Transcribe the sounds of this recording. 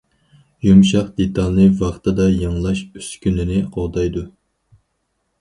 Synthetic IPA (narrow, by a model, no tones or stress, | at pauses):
jumʃɑqd̪et̪ʰɑlˠnɨvɑχt̪ɨd̪ɑjɨŋlˠɑʃøskʲynɪnɪqoʁd̪ɑjd̪u